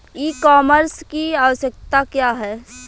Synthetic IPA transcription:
iːkaːməɾskiaːʋəʃjək̚t̪akjaːɦɛ

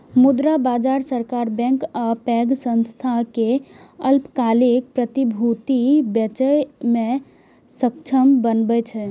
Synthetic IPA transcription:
mud̪ɾabad͡ʒaɾsəɾkaɾbɛ̃ŋkapɛɡsə̃nst̪ʰakeəlpkalek̚pɾət̪ibʱut̪ibjət͡ʃəjme | səkt͡ʃʰəmbənbɛt͡ʃʰɛ

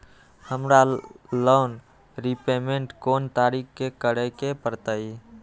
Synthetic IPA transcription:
həmɾaloːn | ɾipemeɳʈkoːnt̪aɾikkekəɽəkepəɾt̪əi

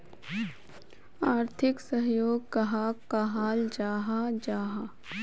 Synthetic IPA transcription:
aːɾt̪ʰɪksəɦjoːɡkɐɦakaɦaːld͡ʒaːɦad͡ʒaːɦa

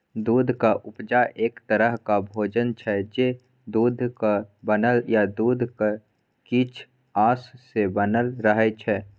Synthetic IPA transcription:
d̪uːd̪ʱkaʔʊpd͡ʒaʔeːkt̪əɾəɦkabʱoːd͡ʒənt͡ʃʰɛd͡ʒe | d̪uːd̪ʱkabənəljad̪uːd̪ʱka | kit͡ʃʰ | aːsːebənəlɾəɦɛt͡ʃʰɛː

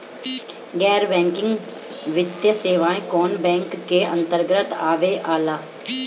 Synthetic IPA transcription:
ɡɛːɾbɛ̃ːŋkɪ̃ŋɡ | ʋɪt̪jəseːʋaːẽkoːnbɛ̃ːŋkːeːənt̪əɾɡɾət̪aːʋeːʔaːlaː

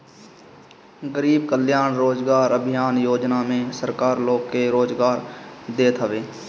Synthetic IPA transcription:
ɡəɾiːb̚kəljaːnɾoːd͡ʒɡaːɾəbʱɪjaːnjoːd͡ʒnamẽsəɾkaːɾloːɡkeɾoːd͡ʒɡaːɾd̪eːt̪ʰəʋeː

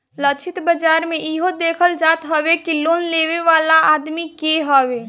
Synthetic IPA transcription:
lət͡ʃʰɪt̪bəd͡ʒaːɾmẽiɦod̪eːkʰəld͡ʒaːt̪ɦɔwekiloːnleːʋeʋaːlaʔaːd̪mikeɦɔweː

